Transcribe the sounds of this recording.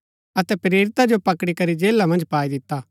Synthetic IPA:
ɐt̪ɛpɾeːɾɪt̪ad͡ʒopɐkɽikɐɾid͡ʒeːlamɐ̃nd͡ʒpaːid̪ɪt̪ːa

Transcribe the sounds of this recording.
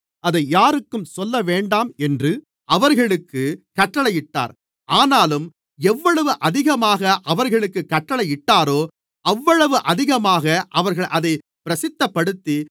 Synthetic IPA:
ɐðɐɪjaːɾɯkːɯmsɔlːɐʋeːɳɖaːmɛndrɯ | ʔɐʋɐɾɣɐɭɯkːɯkɐʈːɐɭɐɪjɪʈːa̰ːɾ | ʔaːnaːlɯm | ɛʋːɐɭɐʋɯʔɐðɪɣɐmaːɣɐʔɐʋɐɾɣɐɭɯkːɯkːɐʈːɐɭɐɪjɪʈːaːɾoː | ɐʋːɐɭɐʋɯʔɐðɪɣɐmaːɣɐʔɐʋɐɾɣɐɭʔɐðɐɪ | pɪɾɐsɪt̪ːɐpːɐɽɯt̪ːi

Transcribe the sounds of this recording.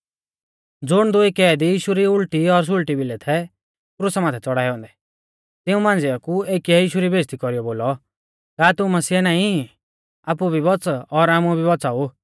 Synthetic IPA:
d͡zʊɽ̃d̪ʊikɛːd̪ijiːʃuɾiʊɭʈiɔɾs̬ʊɭʈibɪlɛt̪ʰɛ | kɾʊsamaːt̪ʰɛt͡sɔɽaːiɔ̃ːnd̪ɛ | t̪ɪũmãːnd͡zɪɔkueːkiɛjiːʃuɾibeːst̪ikɔɾijɔboːlɔ | kaːt̪ʊũmɐsiːɛnaːĩ | aːp̬ubʱibɔt͡sɔɾaːmubʱibɔt͡saːu

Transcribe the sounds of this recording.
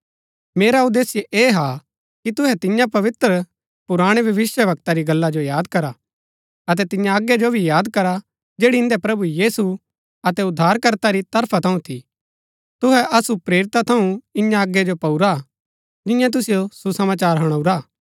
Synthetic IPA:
meːɾaud̪eːsɪjʔeːɦa | kit̪ʊɦɛt̪ɪ̃jãpɐʋɪt̪ɾə | pʊɾaːɽ̃ebʱjɐʋɪsjəʋɐk̚t̪aɾiɡɐlːad͡ʒojaːd̪kɐɾa | ɐt̪̬ɛt̪ɪ̃jãɐɡːjed͡ʒobʱijaːd̪kɐɾa | d͡ʒeːɽiɪnd̪ɛpɾɐbujiːsu | ɐt̪ɛʊd̪ʱːaːɾkɐɾt̪aɾit̪ɐɾpʰat̪ʰɐũt̪ʰi | t̪ʊɦɛʔɐsupɾeːɾɪt̪at̪ʰɐũɪ̃jãɐɡːed͡ʒopɐuɾa | d͡ʒɪ̃jãt̪̬ʊsɪjosusɐmaːt͡ʃaːɾɦɐɽ̃ɐuɾaː

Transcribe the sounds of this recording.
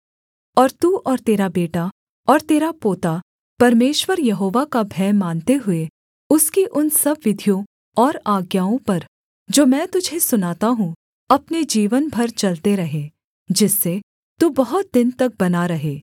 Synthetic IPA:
ɔːɾt̪uːʔɔːɾt̪eːɾabeːʈa | ɔːɾt̪eːɾapoːt̪a | pɐɾmeːʃwəɾjɐɦoːʋakabʱɛːmaːnt̪eɦʊe | ʊskiʔʊnsɐbʋɪd̪ʱijõ | ɔːɾaːɡjaːõpɐɾ | d͡ʒoːmɛ̃ːt̪ʊd͡ʒʱesʊnaːt̪aɦũ | ɐpned͡ʒiːʋənbʱɐɾt͡ʃɐlt̪eɾɐɦeː | d͡ʒɪsːe | t̪uːbɐɦʊt̪̚d̪ɪnt̪ɐk̚bɐnaɾɐɦeː

